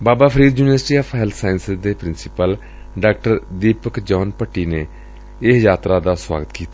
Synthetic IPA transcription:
baːbaːpʰɾiːd̪juːnɪʋəɾsʈiːɔːpɦɛlt̪saːjɪnsɪzd̪eːpɾɪnsɪpəl | ɖaːk̚ʈəɾd̪iːpəkd͡ʒɔːnpəʈːiːneː | ɪsjaːt̪ɾaːd̪aːswa̰ːɡət̪kiːt̪aː

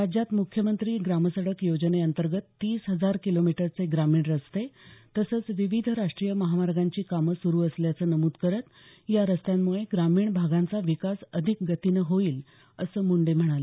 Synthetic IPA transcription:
ɾad͡ʑjat̪mukʰjəmənt̪ɾiːɡɾaməsəɽəkjod͡ʑneənt̪əɾɡət̪ːiːsɦəd͡zaɾkilomiʈəɾt͡seɡɾamiːɳɾəst̪et̪əsəːt͡sʋiʋid̪ʱəɾaʂʈɾijəməɦamaɾɡaɲt͡ɕiːkaməsuɾuːəsljat͡səːnəmuːd̪kəɾət̪ | jaɾəst̪jamːuɭeɡɾamiːɳbʱaɡãnt͡saʋikasəd̪ʱik̚ɡət̪inəɦoiːl | əsəːmuɳɖem̤əɽ̃ale

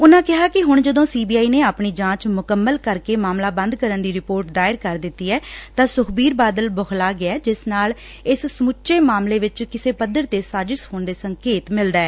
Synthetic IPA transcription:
ʊnãːkɪɦaːkɪɦʊɳd͡ʒəd̪õːsiːbiːaːiːneːaːpɳiːd͡ʒãːt͡ʃmʊkəmːəlkəɾkeːmaːmlaːbə̃nd̪kəɾənd̪iːɾɪpoːɾʈ̚d̪aːɪɾkəɾd̪ɪt̪ːiːɛːt̪ãːsʊkʰbiːɾbaːd̪əlbəklaːɡɪɛːd͡ʒɪsnaːl | ɪssmʊtːʃeːmaːmleːʋɪt͡ʃkɪseːpəd̪əɾt̪eːsaːd͡ʒɪʃhoːɳd̪eːsəŋkeːt̪mɪld̪aːɛː

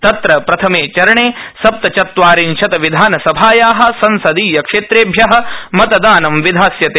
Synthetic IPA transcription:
t̪ɐt̪ɾɐpɾɐt̪ʰɐmeːt͡ʃɐɾɐɳeːsɐp̚t̪ɐt͡ʃɐt̪ʋaːɾinʃɐt̪ɐʋid̪ʱaːnɐsɐbʱaːjaːɦɐ̆sɐnsɐd̪iːjɐkʂeːt̪ɾeːbʱjɐɦɐ̆mɐt̪ɐd̪aːnɐmʋid̪ʱaːsjɐt̪eː

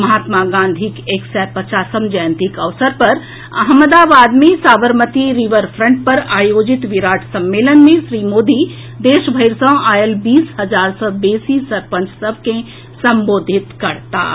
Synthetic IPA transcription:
mɐɦaːt̪maɡãːnd̪ʱikeːksɛːpɐt͡ʃaːsəmd͡ʒaːnt̪ikɐʋsəɾpɐɾ | ɐ̰ɦməd̪aːbaːd̪mẽsaːbəɾmət̪iɾiʋəɾfʰɾə̃ɳʈ̚pɐɾaːjoːd͡ʒɪt̪ʋiɾaːʈʰsɐmːeːlənmẽsɾiːmoːd̪i | d̪eːʃbʱɐjɾsə̃ːaːjəlbiːsɦɐd͡ʒaːɾsɔːbeːsisɐɾpə̃nt͡ʃsəb̚ʱkẽ | sɐmboːd̪ʱɪt̪kɐɽt̪a̰ː

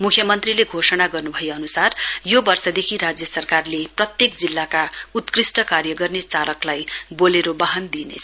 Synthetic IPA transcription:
mukʰjʌmʌnt̪rileɡʱosʌnaɡʌrnubʱʌjeʌnusarjobʌrsʌd̪ekʰiɾad͡zjʌsʌrkarleprʌt̪jekd͡zilːakaut̪krisʈʌkarjʌɡʌrnet͡salʌklajboleɾobaɦʌnd̪inḛt͡sʰʌ

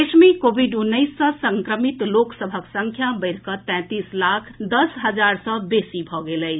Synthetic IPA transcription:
esmikobʱiɖunːəɪsːə̃səŋkɾəmit̪loksəbʱəksəŋkʰjabəɪɾkət̪ɛ̃t̪islakʰd̪əsɦəd͡ʒaɾsɔ̃besibʱɔɡeləɪt͡ʃʰ

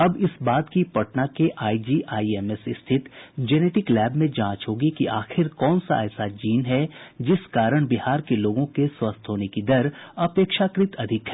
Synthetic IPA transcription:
ɐbɪsbaːt̪kipɐʈnakeʔaːid͡ʒiːʔaːiɛːmɛsɪst̪ʰɪt̪d͡ʒɛːneːʈɪklɛːbmẽd͡ʒãːt͡ʃɦoːɡikiʔaːxɪɾkɔːnsa̰ɛːsad͡ʒiːnɦɛd͡ʒɪskaːɾəɽ̃bɪhaːɾkeloːɡõkeswɐst̪ʰɦoːnekid̪ɐɾɐpeːkʃakɾɪt̪ɐd̪ʱɪkɦɛː

